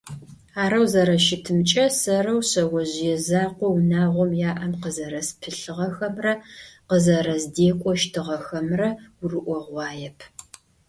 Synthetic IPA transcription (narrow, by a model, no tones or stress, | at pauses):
aːɾɐwzɐɾɐʃɪtʰɨmt͡ʃʼɐsɐrɐwɕɐwɔʑjɛzaːqʷɔwnaːʁʷɔmjaːʔɐmqəzɐɾɐspʰɨɬɨʁɐxɐmrɐqəzɐɾɐzdeːkʷʼɔʃtʰɨʁɐxɐmrɐʊrɨʔʷɔʁʷɑːjɛpʰ